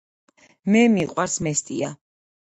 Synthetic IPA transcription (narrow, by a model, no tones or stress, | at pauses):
mɛmiqʼwaɾsmɛst̪ʼia